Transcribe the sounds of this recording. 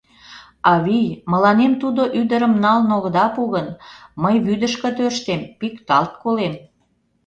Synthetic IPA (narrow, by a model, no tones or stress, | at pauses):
ɑβijmə̆lɑnemt̪ud̪oʔyd̪əɾəmnɑlnoɣ̆d̪ɑpuɣənməjβyd̪əʃkə̆t̪ørʃt̪empikt̪ɑlt̪̚kolem